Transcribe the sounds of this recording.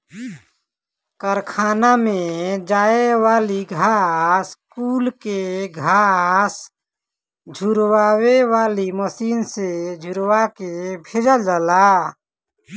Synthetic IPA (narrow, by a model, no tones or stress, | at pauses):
kəɾkʰaːnamẽd͡ʒaːewaːliɡʱaːskuːlkeɡʱaːs | d͡ʒʱuɾwaːwewaːliməsiːnsed͡ʒʱʊɾwakebʱɪd͡ʒəld͡ʒəlaː